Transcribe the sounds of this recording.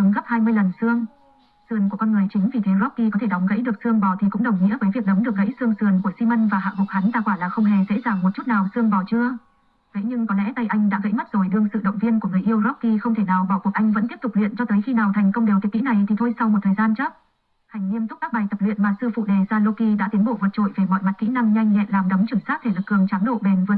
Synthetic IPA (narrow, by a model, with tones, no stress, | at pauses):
ɨ˨˦ŋɣa˦˥p̚haː˧jmɨ˧əjlə˨˩nsɨ˧əŋ | sɨ˨˩ənku˧˩əkɔ˧nŋɨ˨˩əjt͡ɕï˨˦ŋ̟vi˨˩t̪ʰe˨˦zɔ˦˥p̚ki˧k̬ɔ˨˦t̪ʰe˧˩ɗɔ˨˦wŋ͡mɣə̰˧˥jɗɨ˨˩ək̚sɨ˧əŋɓɔ˧˩t̪ʰi˨˩kʊ̰˧˥ŋ͡mɗə˨˩wŋ͡mɲḭ˧˥vəː˨˦jvi˨˩ək̚ɗə˨˦wŋ͡mɗɨ˨˩ək̚ɣə̰˧˥jsɨ˧əŋsɨ˨˩ənku˧˩əsi˧mə˧nvaː˨˩ɦa̰ː˧˨vʊ˨˩k̚ha˨˦nzaː˧˩kwaː˧˩laː˨˩xə˧wŋ͡mɦe˨˩zḛ˧˥zaː˨˩ŋmo˨˩t̚t͡ɕu˦˥t̚naː˨˩wsɨ˧əŋɓɔ˧˩t͡ɕɨ˧ə | və̰˧˥jɲɨ˧ŋkɔ˨˦lɛ̰˧˥t̪a˧˩jʔa˧jŋ̟ɗa̰ː˧˥ɣə̰˧˥jma˦˥t̚z̥o˨˩jɗɨ˧əŋsɨ̰˧˨ɗə̰˧˨ŋ͡mvi˧ənku˧˩əŋɨː˨˩jʔi˧əwzɔ˦˥p̚kːi˧xə˧wŋ͡mt̪ʰe˧˩naː˨˩wɓɔ˧˩ku˨˩ək̚ʔa˧jŋ̟və̰˧˥nt̪i˦˥əpt̪ʊ˨˩k͡p̚lwḭ˧˨ənt͡ɕɔ˧t̪əː˨˦jxi˧naː˨˩wt̪ʰa˨˩jŋ̟kə˧wŋ͡mɗe˨˩wt̪ʰki˧˥na˨˩jt̪ʰi˨˩t̪ʰo˧jsa˧wmo˨˩t̚t̪ʰːjzaː˧nt͡ɕə˦˥p̚ | ha˨˩jŋ̟ŋi˧əmt̪zʊ˦˥aː˦˥ɓaː˨˩jt̪ə˨˩p̚lwḭ˧˨ənmaː˨˩sɨ˧fṵ˧˨ɗe˨˩zaː˧lo˧ki˧ɗa̰ː˧˥t̪i˨˦ənɓo̰˧˨vəː˨˩t̚t͡ɕo̰˧˨jve˨˩mɔ̰˧˨jma˨˩t̚kḭ˧˥na˧mɲa˧jŋ̟ɲɛ̰˧˨nlaː˨˩mɗə˨˦wŋ͡mt͡ɕɨ˧˩nsaː˦˥t̚t̪ʰe˧˩lə˨˩kːɨ˨˩əŋt͡ɕaː˨˦mɗo̰˧˨ɓe˨˩nvɨ˨˩ə